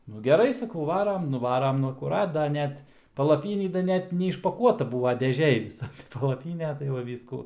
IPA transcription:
nʊ ɡʲɛˈrɐɪ sɐˈkɐʊ ˈʋɑːrɐm nʊˈʋɑːrɐm ˈnʊ ɐkʊˈrɐt dɐ ˈnʲɛt pɐlˠɐˈpʲiːnʲiː dɐ ˈnʲɛt nʲɛɪʃpɐˈkuɔtɐ ˈbuːʋɐ dʲɛˈʒʲeːj ˈʋʲɪsɐ tɐɪ pɐlˠɐˈpʲiːnʲɛ tɐɪ ʋɐ ˈʋʲiːskuː

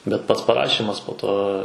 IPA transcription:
bʲɛt ˈpɐts pɐˈrɑːʃʲiːmɐs poː ˈtoː

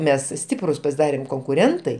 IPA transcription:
ˈmʲɛs ˈsʲtʲɪprʊs pɐsʲɪˈdɑːrʲeːm koːŋkʊˈrʲɛntɐɪ

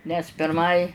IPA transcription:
nʲɛs pʲɪrˈmɐɪ

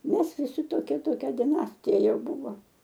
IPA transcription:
ˈmʲɛs ʋʲɪˈsʲɪ toːˈkʲiɛ toːˈkʲɛ dʲɪˈnɑːsʲtʲɪjɛ ˈjɛʊ ˈbuːʋoː

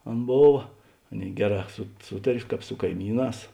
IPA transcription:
ˈɐn ˈboːʋɐ ˈɑːˌnʲeːɪ ˈɡʲæːˌrɑː sʊ ˈsuːtɐrʲ ˈkɑːp sʊ kɐɪˈmʲiːˌnɑːs

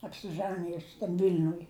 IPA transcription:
ɐpʲsʲɪˈʒɑːnʲɪjʊs tɐm ˈʋʲɪlʲnʊj

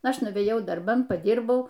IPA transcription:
ˈɐʃ nʊʋʲeːˈjɛʊ dɐrˈbɐn pɐˈdʲiːrbɐʊ

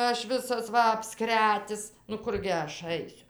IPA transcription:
ˈɐʃ ˈʋʲɪsɐs ˈʋɐ ɐpˈskrʲæːtʲɪs nʊ ˈkʊrʲɡʲɪ ˈɐʃ ˈɐɪsʲʊ

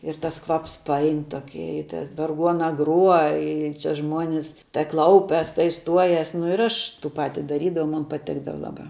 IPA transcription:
ɪr ˈtɐs ˈkʋɐps pɐˈɐɪn ˈtoːkʲɪ ɪ tʲɛ ʋɐrˈɡuɔnɐ ˈɡruɔ ˈɪ ˈt͡ʃʲɛ ˈʒmuɔnʲɪs tɐɪ ˈklˠɐʊpʲɛs tɐɪ ˈstuɔjɛs nʊ ɪr ˈɐʃ ˈtuː ˈpɑːtʲɪ dɐˈrʲiːdɐʋɐʊ mʊn pɐˈtʲɪɡdɐʋɐ ˈlˠɑːˌbɑː

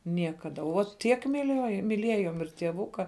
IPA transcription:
ˈnʲiɛkɐdɐ uɔ ˈtʲiɛk mʲɪˈlʲuɔjʊ mʲɪˈlʲiɛjoːm ɪr tʲiɛˈʋʊkɐ

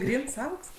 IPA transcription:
ˈɡrʲiːns ˈɐʊks

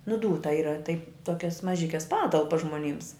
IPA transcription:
nʊ ˈduːtɐ ˈiːrɐ tɐɪ ˈtoːkʲɛs mɐˈʒʲɪkʲɛs ˈpɑːtɐlˠpɐs ʒmoːˈnʲiːms

